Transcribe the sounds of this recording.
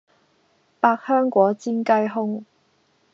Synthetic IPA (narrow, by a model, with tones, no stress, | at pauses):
paː˧k̚hœː˥ŋkʷɔː˨˥t͡siː˥nkɐ˥jɦʊ˥ŋ